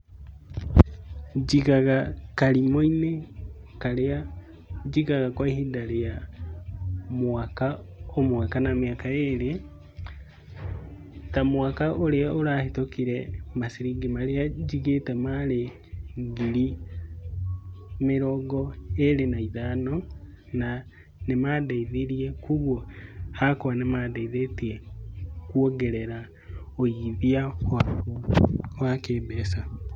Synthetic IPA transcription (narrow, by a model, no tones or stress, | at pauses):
d͡ʒiɣaɣakaɾimoinekaɾea | d͡ʒiɣaɣakwaihidaɾeja | mwakaomwakanameakaeɾe | tamwakaʔoɾeaoɾahetokiɾɛmasiɾiɡemaɾeaɟiɡetemale | ɡiɾi | miɾoɡoelenaiðano | na | nemadaiðiɾiekuɣwohakowanemadaiðetiekwoɡeɾeɾa | ojiðia | wakeːbesa